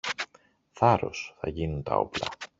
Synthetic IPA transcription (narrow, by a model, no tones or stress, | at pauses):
θɐɾo̞̰sθɐʝinunt̪ɐo̞̰plɐ̰